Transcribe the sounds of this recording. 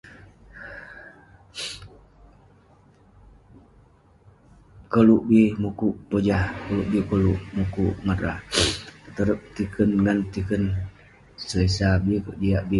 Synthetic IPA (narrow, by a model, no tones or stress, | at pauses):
koluʔbimukuʔpod͡ʒahkoluʔbikoluʔmukuʔŋaɾahət̪əɾəp̚t̪ikənŋɡant̪ikən | səlesabikəʔd͡ʒiaʔbi